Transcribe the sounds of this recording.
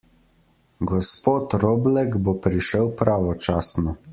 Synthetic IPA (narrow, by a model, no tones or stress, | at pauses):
ɡɔspoːt̪ɾoːblɛkbopɾiʃəwpɾaːʋɔt͡ʃaːsnɔ